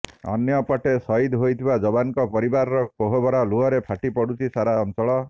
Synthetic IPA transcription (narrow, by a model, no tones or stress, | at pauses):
ɔ̰njɔpɔʈesɔid̪ɦojt̪ʰibad͡ʒɔbankɔpɔɾibaɾɔɾɔkoɦobɔɾaluɔɾepʰaʈipɔɽut͡ʃʰisaɾaɔnt͡ʃɔɭɔ